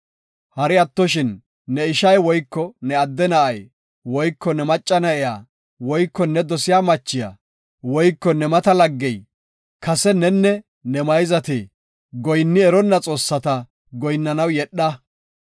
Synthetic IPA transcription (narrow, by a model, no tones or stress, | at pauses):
hɐɾɪɐt̪ːɔʃ̬ɪnː | ɛɪʃɐjwɔjkːɔnɛɐd̪ːɛnɐʔɐj | wɔjkːɔnɛmɐt͡ʃʼːɐnɐʔɛjaː | wɔjkːɔnːɛd̪ɔsɪjaːmɐt͡ʃːɪja̰ | wɔjkːɔnɛmɐt̪ɐlɐɡːɛj | kɐsɛnɛnːɛ | nɛmɐjzɐt̪iː | ɡɔjnːɪɛɾɔnːɐt͡sʼo̞ːsːɐt̪ɐ | ɡɔjnːɐnɐwjɛɗːɐ